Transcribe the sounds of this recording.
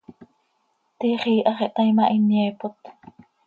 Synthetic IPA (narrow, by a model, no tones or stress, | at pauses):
t̪iχiːʔɑχiʔt̪ajmaʔinjɛːpot̪